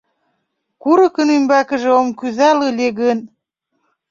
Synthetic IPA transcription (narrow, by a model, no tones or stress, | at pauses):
kuɾɤ̆kə̆nymbækə̆ʒĕomkyzælɤlʲeɣən